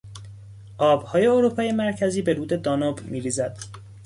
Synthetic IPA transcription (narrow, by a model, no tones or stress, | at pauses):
ʔɒːbhɒːje̞oɾuːpʰɒːje̞mæɾcʰæziːbe̞ɾuːd̪e̞d̪ɒːnobmiːɾiːzæd̪̥